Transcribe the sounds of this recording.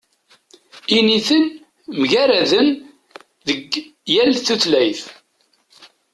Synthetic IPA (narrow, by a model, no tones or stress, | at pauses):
iniθən | mʝæɾæðən | ðəɡjælθuθlæjθ